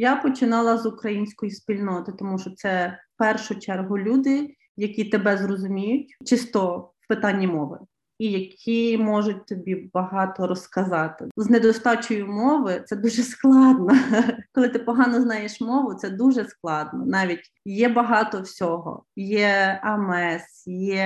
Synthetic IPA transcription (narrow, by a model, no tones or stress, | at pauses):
japɔt͡ʃɪnɑlˠɐzʊkɾɐjinʲsʲkɔjispʲilʲnɔt̪ɪt̪ɔmuʃɔt̪sɛfpɛrʃʊt͡ʃɛrɦʊlʲud̪ɪ | jɐkʲit̪ebɛzrɔzʊmʲijʊtʲt͡ʃɪst̪ɔwpɪt̪ɑnʲːimɔʋɪ̰ | ijɐkʲʰimɔʒʊt̚ʲt̪ɔbʲibɐɦɑt̪ɔɾɔskɐzɑt̪ɪzned̪ɔst̪ɑt͡ʃʊjʊmɔʋɪt̪sɛd̪uʒɛsklˠɑd̪nɐkɔlˠɪt̪ɪpɔɦɑnɔznɑjeʃmɔʋʊt̪sɛd̪uʒɛsklˠɑd̪nɔ̰nɑʋʲitʲ | jɛbɐɦɑt̪ɔwsʲɔɦɔ̰jɛɐmɛsjɛ